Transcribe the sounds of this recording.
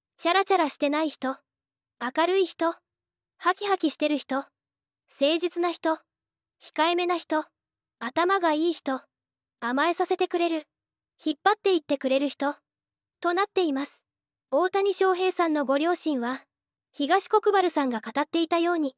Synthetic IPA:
ɕaɾat͡ɕaɾaɕi̥t̪e̞naiçi̥t̪o̞ | akaɾɯ̟içi̥t̪o̞ | hakʲiɦakʲiɕi̥t̪e̞ɾɯ̟çi̥t̪o̞ | se̞ːʑit͡sɨnaçi̥t̪o̞ | çi̥kaeme̞naçi̥t̪o̞ | at̪amaɡaiːçi̥t̪o̞ | amae̞sase̞t̪e̞kɯ̟ɾe̞ɾɯ̟ | çipːat̪ːe̞it̪ːe̞kɯ̟ɾe̞ɾɯ̟çi̥t̪o̞ | t̪o̞nat̪ːe̞imasɨ̥ | o̞ːt̪aɲ̟iɕo̞ːɦe̞ːsãnːo̞ɡo̞ɾʲo̞ːɕĩɰ̃βa | çiɡaɕi̥ko̞kɯ̟baɾɯ̟sãŋɡakat̪at̪ːe̞it̪ajo̞ːɲ̟i

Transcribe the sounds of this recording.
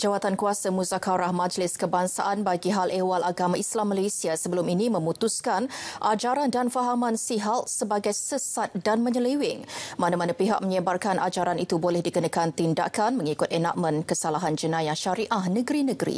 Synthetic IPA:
d͡ʒawat̪ankuasamuzakaɾahmãd͡ʒlɪskəbaŋsa̰ʔanbaɡiɦalewalʔaɡamaʔislamːəlesiasəbəlʊminimə̃mut̪uskanʔad͡ʒaɾandanfaɦamãnsiɦatsəbaɡajsəsat̪̚danməɲəliwɪŋmanamanapiɦa̰k̚məɲəbarkanʔa̰d͡ʒaɾanit̪ubolɛhdikənakant̪inda̰ʔkanməŋikʊt̪əna̰ʔ̚mənkəsalaɦand͡ʒənãjaʃaɾiʔahnəɡəɾinəɡəɾḭ

